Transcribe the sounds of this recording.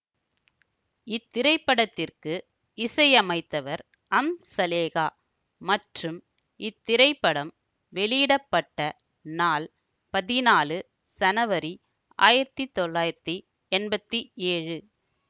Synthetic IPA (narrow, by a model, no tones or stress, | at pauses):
ɪt̪ːɪɾɐɪpːɐɽɐt̪ːɪrkɯ | ɪsɐjɐmɐɪt̪ːɐʋɐɾ | ɐmsɐleːɣaː | mɐʈrɯm | ɪt̪ːɪɾɐɪpːɐɽɐm | ʋɛɭiɪɽɐpːɐʈːɐ | naːl | pɐðɪnaːlɯ | sɐnɐʋɐɾi | ʔa̰ːjɪɾɐt̪ːit̪ːɔɭːaːjɪɾɐt̪ːi | ɛnbɐt̪ːieːɻɯ